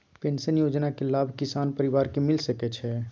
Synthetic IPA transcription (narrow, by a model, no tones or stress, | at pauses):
pẽːnsənjoːd͡ʒnakelaːbʱkɪsaːnpəɾɪʋaːɾkemɪlsəkɛt͡ʃʰɛ